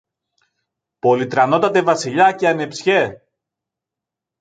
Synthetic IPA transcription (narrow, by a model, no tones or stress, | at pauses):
po̞lit̪ɾɐno̞t̪ɐt̪e̞vɐsiʎɐceɐne̞psçe̞